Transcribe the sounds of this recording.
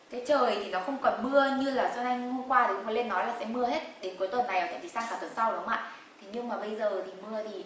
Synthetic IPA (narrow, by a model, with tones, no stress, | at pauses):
kaː˨˦jt͡ɕəː˨˩jt̪ʰi˨˩nɔ˨˦xə˧wŋ͡mkɔ˨˩nmɨ˧əɲɨ˧laː˨˩sa˧na˧jŋ˧ho˧mkwaː˧t̪xŋ͡mfə˧˦le˧nːɔ˨˦jlaː˨˩sɛ̰˧˥mɨ˧əhe˦˥t̚ɗe˨˦nku˨˦t̪wə˨˩nːa˨˩jaː˨˩t͡ɕa̰˧˩t͡ɕi˧˩saː˧ŋsʰaː˧˩t̪ʰə˧˩nsa˧wɗʊ˨˦ŋ͡ma̰ː˧˨ | t̪ʰi˨˩ɲɨ˧ŋmaː˨˩ɓə˧jzəː˨˩t̪ʰi˨˩mɨ˧ət̪ʰi˨˩